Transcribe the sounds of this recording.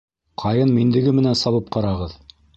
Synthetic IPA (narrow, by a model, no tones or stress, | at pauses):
qʰɑjɤnmind̪ɘ̆ɡɘmɘ̆nænsɑβɤp̚qɑɾɑʁɤð